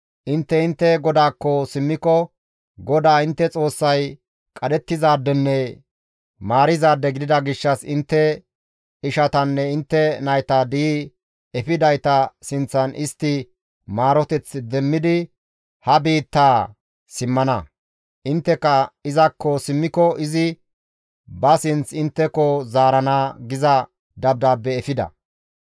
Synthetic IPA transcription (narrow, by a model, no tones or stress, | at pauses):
ʔɪnt̪ːɛɪnt̪ːɛɡɔd̪aːkːɔsɪmːɪkɔ | ɡɔd̪aːɪnt̪ːɛt͡sʼo̞ːsːɐj | kʼɐd̪ɛt̪ːɪzaːd̪ːɛnːɛ | maːɾɪzaːd̪ːɛɡɪd̪ɪd̪ɐɡɪʃːɐsɪnt̪ːɛ | ɪʃɐt̪ɐnːɛɪnt̪ːɛnɐjt̪ad̪iː | ɛfɪd̪ɐjt̪ɐsɪnt͡sːɐnʔɪst̪ːɪ | maːɾɔt̪ɛt͡sːd̪ɛmːɪd̪ɪ | hɐbiːt̪ːaː | sɪmːɐnɐ | ʔɪnt̪ːɛkːɐɪzɐkːɔsɪmːɪkɔɪzɪ | bɐsɪnt͡sɪnt̪ːɛkɔzaːɾɐnaːɡɪzɐ | d̪ɐb̚d̪aːpːɛːfɪd̪ɐ̰